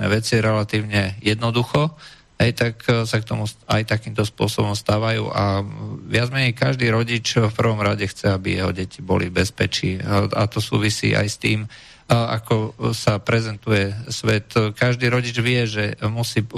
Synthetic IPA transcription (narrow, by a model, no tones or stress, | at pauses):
ɛ̰ʋɛt͡siɾɛlat̪iːʊɲɛjɛd̪nɔd̪uxɔ | ɦɛjt̪aksak̚t̪ɔmua̰jt̪akiːmt̪ɔspʊɔsɔbɔmst̪aːʋajṵːʔaʋɪad͡zmɛɲɛjkaʒd̪iːɾɔɟit͡ʃfpr̩ʋɔmɾaɟɛxt͡sɛabijɛɦɔ̰ɟɛcibɔ̰libɛspɛt͡ʃiːa̰t̪ɔsṵːʋisḭːʔa̰jst̪iːm | a̰kɔsapɾɛzɛnt̪ujɛsʋɛt̪kaʒd̪iːɾɔɟid͡ʒʋɪɛʒɛmusiː